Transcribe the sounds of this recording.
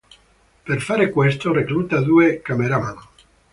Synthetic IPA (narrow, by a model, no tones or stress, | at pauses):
peɾfaɾekwest̪oreklut̪ad̪uekameɾamano